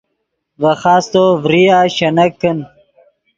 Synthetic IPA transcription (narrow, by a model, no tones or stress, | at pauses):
vɐxaːst̪ovɾiaːɕɐnɐkːən